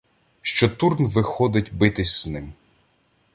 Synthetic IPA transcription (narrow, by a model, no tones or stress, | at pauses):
ʃt͡ʃɔt̪urnʋɪxɔd̪ɪtʲbɪt̪ɪsʲz̥nɪm